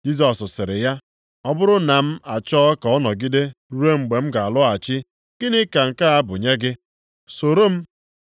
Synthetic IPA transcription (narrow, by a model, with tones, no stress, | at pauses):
d͡ʒi˦s̬ɔ˨sʊ˨sɪ˨ɾɪ˨ja˦ | ɔ˦bʊ˦ɾʊ˦na˨m̩˦a˨t͡ʃɔ˦kɔ˦nɔ˨ɡi˦de˦ɾu˦ɾe˦ŋ͡m̩˨ɡ͡be˨m̩˦ɡa˨a˨lʊ˦a˨t͡ʃɪ˦ | ɡ̥ɪ˦nɪ˦ka˨ŋ̩˨ka˦a˦bʊ˨ɲe˦ɡɪ˦ | so˨ɾo˦m̩˦